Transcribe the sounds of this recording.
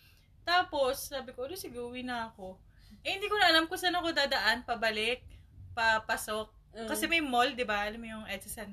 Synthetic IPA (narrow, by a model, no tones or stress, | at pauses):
t̪aːpo̞sːaːbɪkoʔɐlosɪɡɐʊwinɐɐko̞ | ʔɐhɪnd̪iːkonɐʔɐlamkʊsaːnɐkod̪aːd̪ɐʔanpɐbɐlɪk̚pɐpɐsok̚ | kɐsɛmɐjmold̪ɪbaʔɐlɐmojʊŋʔɛd̪sɪsɐn